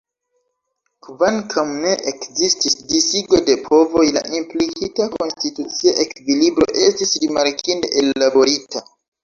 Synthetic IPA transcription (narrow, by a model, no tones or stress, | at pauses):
kvaŋkʰawne̞ʔekzistisdisiɡo̞depʰo̞vo̞jla̰ʔimplikʰitako̞nstitut͡siaʔe̞kvilibɾo̞̰ʔe̞stisɾimaɾkʰinde̞ʔelːabo̞ɾitʰa